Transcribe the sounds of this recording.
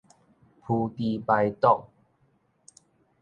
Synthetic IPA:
pʰu˧t̪i˧pa˧jt̪ɔ˥˨ʔ

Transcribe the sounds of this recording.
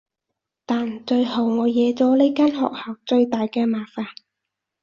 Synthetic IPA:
t̪aː˨nt͡ʃɵ˧ɥho˨˩wŋɔː˨˧jɛː˨˧t͡sɔː˨˥le˥kaː˥nɦɔ̰ː˨k̚haː˨˩wt͡sɵ˧ɥt̪aː˨jkɛː˧maː˨faː˨n

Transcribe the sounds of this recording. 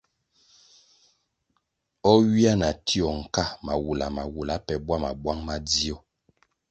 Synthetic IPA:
ɔ˦ɥi˦a˦na˨tʰi˦ɔ˨ŋ̩˨ka˦ma˨wu˨la˨ma˨wu˨la˨˦pɛ˨bwa˦ma̰˨bwa˦ŋma˦di˦ɔ˦

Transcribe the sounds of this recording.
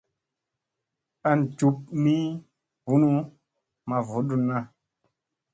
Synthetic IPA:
a˦n˨d͡ʒu˨˦p̚mi˦ | vu˦nu˦ | ma˨vo˨˦ɗu˦nːa˦

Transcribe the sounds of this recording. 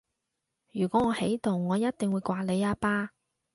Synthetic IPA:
jyː˨˩kʷɔː˨˥ŋɔː˨˧he˨˥jt̪ʊ˨ŋːɔː˨˧jɐ˥t̚t̪ɪ˨ŋwu˨˧jkʷaː˧le˨˧jaː˧paː˥

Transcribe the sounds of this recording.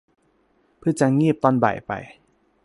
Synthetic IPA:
pʰɯ˧˥˩t͡ɕa˧ŋiː˥˩p̚t̪ɔː˧nba̰˨˩jpa̰˨j

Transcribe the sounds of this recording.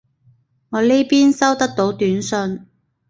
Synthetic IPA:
ŋɔː˨˧le˥jpiː˥nsɐ˥wt̪ɐ˥k̚t̪o˨˥wt̪yː˨˥nsɵ˧n

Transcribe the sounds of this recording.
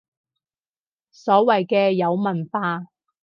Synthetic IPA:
sɔː˨˥wɐ˨jkɛː˧jɐ˨˧wmɐ˨˩nfaː˧

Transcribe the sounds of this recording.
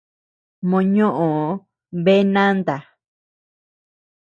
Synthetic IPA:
mõ˧ɲõ˦ʔõ˨ | βe˦nã˦nd̪a˨

